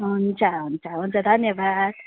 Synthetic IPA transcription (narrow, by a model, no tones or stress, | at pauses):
ɦunt͡sʰaɦunt͡sʰaɦunt͡sad̪ʱʌnjʌbad̪